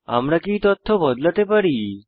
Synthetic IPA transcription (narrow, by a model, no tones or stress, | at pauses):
a̰mɽakiːt̪ɔt̪ʰːobʱɔd̪lət̪epəɽiː